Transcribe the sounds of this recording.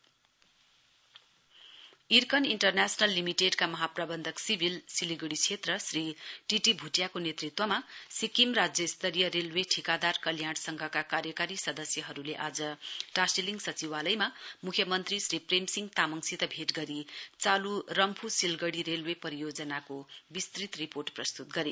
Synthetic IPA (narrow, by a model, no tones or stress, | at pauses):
irkʌniɳʈʌrnasʌnalːimiʈeɖkamʌɦaprabʌnd̪ʱʌksibʱilsiliɡʌɽit͡sʰet̪rʌsriʈiʈibʱuʈjakonet̪rit̪wʌmasikimrad͡zjʌist̪ʌɾijʌɾelweʈʰikad̪arkʌljaɽsʌŋɡʱʌkakaɾjʌkaɾisʌd̪ʌsjʌɦʌɾuleʔad͡zʌʈasiliŋɡsʌt͡siwalʌjmamukʰjʌmʌnt̪risripremsiŋɡt̪amʌŋsit̪ʌbʱeʈɡʌɾit͡salurʌmpʰusilɡʌɽiɾelwepʌɾijod͡zʌnakobist̪rit̪riporʈprʌst̪ut̪̚ɡʌɾe